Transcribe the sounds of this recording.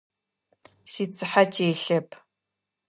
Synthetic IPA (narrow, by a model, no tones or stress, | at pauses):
ʃit͡sʰʼɨħat͡ʃʼeːɬɐpʰ